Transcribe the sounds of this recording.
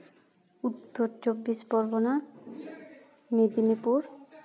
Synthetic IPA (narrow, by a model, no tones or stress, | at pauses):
ut̪ːoɾt͡ɕobːispɔɾbona | med̪inipuɾ